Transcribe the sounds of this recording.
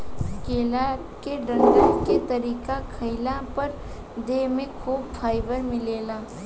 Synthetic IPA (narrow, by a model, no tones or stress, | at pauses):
keːla | keɖə̃ɳʈəket̪əɾiːkakʰəɪlapəɾ | d̪emẽkʰuːbpʰaːɪbəɾmɪleːlaː